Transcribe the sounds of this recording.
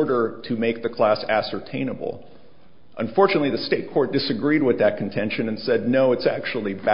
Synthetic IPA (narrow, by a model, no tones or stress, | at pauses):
ɹɾə˞ɾɨmeɪk̚ðɨkʰl̥æsæsə˞tʰẽɪ̃nəbl̩ˠ | ʔə̰̃ɱfɔɹt͡ʃɨnətˡliðɨsteɪt̚kʰɔɹt̚d̥ɨsɨɡɹid̚wɨðɨt̚kʰn̩tʰɛ̃nʃɨ̃nɨ̃nsɛdⁿnoʊɨtsæ̰k̚t͡ʃul̩ˠibæ